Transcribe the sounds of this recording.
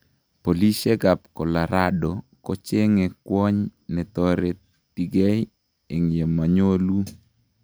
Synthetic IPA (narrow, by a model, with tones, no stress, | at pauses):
po˨li˦se˦ɡa˨p̚kɔ˨la˨ɾadɔ˨ | kɔ˦t͡ʃe˦ŋe˨kwɔ˦ɲnɛ˨t̪ɔɾe˨ | t̪i˨ɡɛ˦j | e˨ŋje˨ma˨ɲo˦lu˦